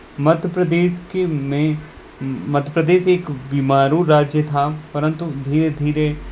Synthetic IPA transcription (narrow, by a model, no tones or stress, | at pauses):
mɐd̪ʱjəpɾəd̪eːʃkemẽ | mɐd̪ʱjəpɾəd̪eːʃeːkbiːmaːɾuɾaːd͡ʒjət̪ʰapɐɾə̃nt̪ud̪ʱiːɾed̪ʱiːɾe